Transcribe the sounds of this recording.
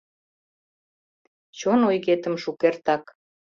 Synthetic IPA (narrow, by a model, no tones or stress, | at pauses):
t͡ɕonojɣet̪ə̆mʃukert̪ɑk